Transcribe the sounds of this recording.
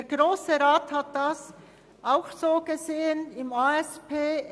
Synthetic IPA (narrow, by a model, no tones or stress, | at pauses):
deːɾɡʁoːsəʁaːthat̚d̥as | ʔaʊxz̥oːɡ̥əzeːənɪmaɛspʰeː